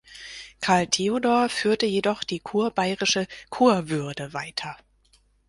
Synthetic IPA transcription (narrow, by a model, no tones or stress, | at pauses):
kʰaɐltʰeodɔːɐfyːɐtəjedɔχd̥iːkʰuːɐbaɪʁɪʃəkʰuːɐvʏɐdəvaɪtʰɐ